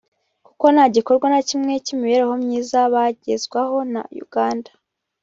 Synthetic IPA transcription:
ku̥ko̞nhaɟiko̞ɾɡwanacimŋe̞cimiβe̞ːɾeho̞mɲiːzaβaɟe̞zɡwaho̞na̰jṵɡ̥aːndḁ

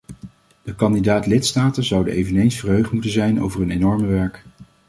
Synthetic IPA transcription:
d̥əkɑndidaːtlɪtstaːtənzʌwdəejvənejnsfərɦøɥχtmutənzɛjno̰wvərɦənenɔɹməʋɛɹk

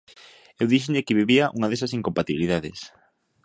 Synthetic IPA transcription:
ewðiʃoʎɪkɪβiβiɐʔuŋɐðesɐsiŋkompat̪iβiliðaðɪ̰s

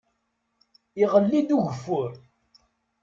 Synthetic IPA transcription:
iʁəlːid̪uʝəfːʊɾ

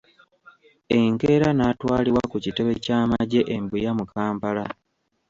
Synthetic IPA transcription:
e̞ŋke̞ːɾanaːtwaːliwakucite̞βe̞caːmaɟe̞ʔembujamukʰaːmpala

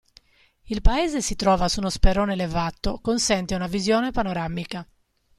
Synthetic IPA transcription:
ilpaɛːzesit̪ɾɔːvasunospeɾoːnelevat̪ːokonsɛnt̪eunavizjɔːnepanoɾamika

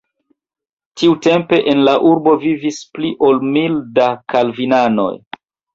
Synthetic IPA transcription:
tiute̞mpe̞ʔenlaʔuɾbo̞vivispliʔo̞lmildakalvinano̞̰j

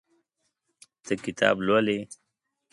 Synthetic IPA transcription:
t̪əkɪt̪ʰɑ̰ːblole

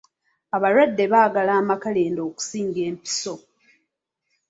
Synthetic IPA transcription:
aβaɾwadːe̞βaːɡalaːmakaleːndo̞ːku̥siːŋɡe̞ːmpi̥so̞

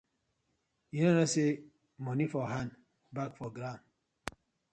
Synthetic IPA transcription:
inɔnase | mɔnifɔɦan | bak̚fɔɡɾam

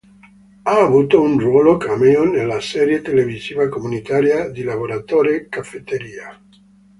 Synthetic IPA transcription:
aːβut̪ounrwɔlokameonːelasɛɾjet̪eleviziːvakomunit̪aɾjad̪ilaβoɾat̪oɾekafet̪eɾiːa

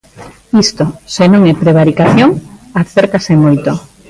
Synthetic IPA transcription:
ist̪osenõŋepɾeβ̞aɾikaθjoŋaθeɾkasemojt̪o

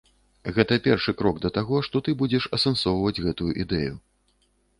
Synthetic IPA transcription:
ɣɛt̪ɐpʲɛrʂɨkɾɔɡd̪ɐt̪aɣɔʂt̪ɔt̪ɨbud͡zʲɛʂɐsɛnsɔwvɐd͡zʲɣɛt̪ujuʔid̪ɛju

